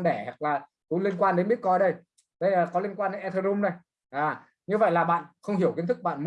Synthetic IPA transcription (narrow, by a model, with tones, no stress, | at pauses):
ɗɛ˧˩ha˨˩k̚laː˨˩ | kʊ̰˧˥li˧ənkwaː˧nɗe˨˦nɓi˦˥t̚kɔ˧jɗə˧j | ɗə˧jːkɔ˨˦li˧ənkwaː˧nɗe˨˦nʔɛ˧t̪ʰə˧ɾʊ˧mnə˨˩j | ʔaː˨˩ | ɲɨ˧və̰˧˨jlaː˨˩ɓa̰ː˧˨nxə˧wŋ͡mhi˧˩əki˨˦nt̪ʰɨ˦˥ɓa̰ː˧˨nm